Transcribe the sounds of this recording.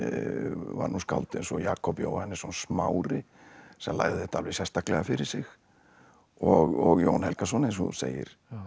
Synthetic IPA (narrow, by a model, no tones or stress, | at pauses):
va̰nːuska̰lt̪ɪnsɔjaːkɔpjo̰wahɛnːɪ̥sɔnsmawɾɪ | sɛmla̰ːjɣðɪɪt̪ʰalvɪsjɛst̪aklɛɣafɪɾɪɾ̥sɪx | ɔɣɔɣjownhɛlkasɔnens̬ɔ̰sḛːjɪ̰ɾ̥